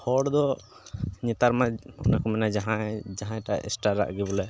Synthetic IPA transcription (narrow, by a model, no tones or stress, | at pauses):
hɔɽd̪ɔ | ɲɛt̪aɾmaɔ̰nakɔmɛnad͡ʒaɦãd͡ʒaɦãjʈaɛ̰sʈaɾa̰ʔɡɛbɔlɛ